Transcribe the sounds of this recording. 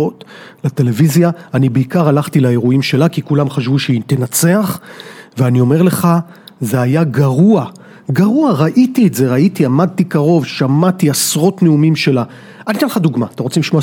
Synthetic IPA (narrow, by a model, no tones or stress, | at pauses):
ot̪late̞le̞vizjaːnibeikaʁalaχtilaeʁuimʃe̞lakikulamχaʃvuʃeit̪enat͡seaχveanio̞me̞ʁle̞χa | ze̞ajaɡaʁua | ɡaʁuaʁaʔitietze̞ʁaitiamad̪̚tikaʁo̞vʃamatiasʁo̞tneumimʃe̞la | anit̪enlχaduɡmat̪emʁo̞t͡semliʃmo